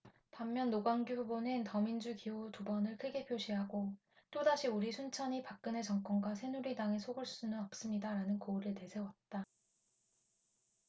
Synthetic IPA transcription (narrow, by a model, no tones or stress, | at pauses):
pamːjʌnːoɡwaŋɡububonɯntʌmind͡ʑukiotubʌnɯɭkʰɯɡe̞pʰjoɕʰiɦaɡo | t͈odaɕʰiuɾisʰunt͡ɕʰʌɲipak̚k͈ɯne̞t͡ɕʌŋk͈ʌnɡwasʰe̞nuɾidaŋe̞sʰoɡɯɭs͈unɯnʌp̚s͈ɯmɲidaɾanɯnkoɾɯɭte̞sʰe̞wʌt̚t͈a